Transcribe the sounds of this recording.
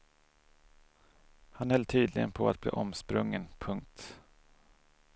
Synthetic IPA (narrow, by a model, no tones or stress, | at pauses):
hanhɛlːt̪ʰyːd̪lɪɡənpʰɔat̪̚b̥lḭːʔɔmspɾɵŋːənpʰɵŋk̚t̪